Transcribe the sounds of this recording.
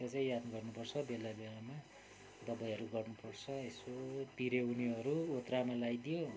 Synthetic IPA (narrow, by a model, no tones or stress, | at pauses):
at͡saĩjad̪nɡʌrnupʌrt͡sʰʌbelabelama | d̪ʌbajʌɾuɡʌrnupʌrt͡sʰʌesopiɾewniʌɾuot̪ramalajd̪ijo